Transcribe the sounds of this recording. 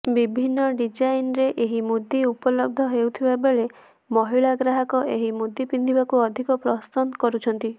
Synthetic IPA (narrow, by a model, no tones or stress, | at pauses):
bibʱinːɔɖid͡ʒajinɾeʔeɦimud̪iupɔlɔb̚d̪ʱɔɦewt̪ʰibabeɭe | mɔɦiɭaɡɾaɦakɔʔeɦimud̪ipind̪ʱibakuɔd̪ʱikɔpɾɔst̪ɔnkɔɾut͡ʃʰɔnt̪i